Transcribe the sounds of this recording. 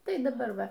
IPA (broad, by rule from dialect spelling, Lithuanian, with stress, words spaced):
ˈtɐɪ dɐˈbɐr ˈʋɐ